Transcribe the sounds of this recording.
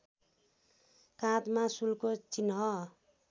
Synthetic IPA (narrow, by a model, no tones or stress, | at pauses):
kãt̪masulkot͡sinɦʌ